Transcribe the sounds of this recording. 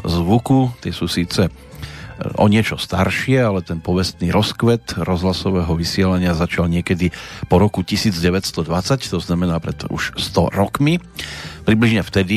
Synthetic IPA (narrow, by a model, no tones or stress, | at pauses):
zʋukut̪ɪɛsuːsiːt͡sɛ | ʔɔ̰ɲɪɛt͡ʃɔst̪aɾʃɪɛalɛt̪ɛnpɔʋɛst̪niɾɔskʋɛt̪ɾɔzɦlasɔʋɛːɦɔʋisɪɛlaɲɪazat͡ʃalɲɪɛkɛd̪ipɔɾɔkucisiːd͡zɟɛʋɛcst̪ɔd̪ʋat͡sact̪ɔznamɛnaːpɾɛt̪ṵʃst̪ɔɾɔkmipɾibliʒɲɛft̪ɛd̪i